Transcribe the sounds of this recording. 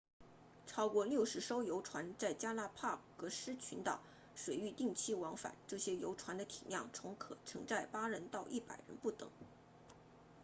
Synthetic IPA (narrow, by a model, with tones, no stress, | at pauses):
ʈ͡ʂʰɑ˥ʊkwɔ˥˧ljo˥˩ʊʂɻ̩˧˥ʂo˥ʊjo˧˥ʊʈ͡ʂʰwa˧˥nt͡sa˥˩ɪt͡ɕja˥na˥˧pʰa˥˩kɤ˧˥ʂɻ̩˥t͡ɕʰy˧˥nt̪ɑ̰˨˩˦ʊ | ʂwe˨˩ɪy˥˧t̪i˥˩ŋt͡ɕʰi˥wɑ˧˥ŋfa̰˨˩˦nʈ͡ʂɤ˥˩ɕjɛ˥jo˧˥ʊʈ͡ʂʰwa˧˥nd̪ə˧t̪ʰi˨˩njɑ˥˩ŋt͡sʰʊ˧˥ŋkʰɤ̰˨˩ʈ͡ʂʰɤ̰˧˥ŋt͡sa˥˩ɪpa˥ɻə˧˥nt̪ɑ˥˧ʊʔi˥˩pa̰˨˩ɪɻə̰˧˥npu˥˩t̪ɤ̰˨˩˦ŋ